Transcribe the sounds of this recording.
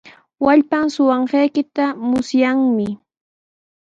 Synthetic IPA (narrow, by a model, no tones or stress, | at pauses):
waʎpamsʊwɑɴɢɑjkɪt̪amʊsjaŋmɪ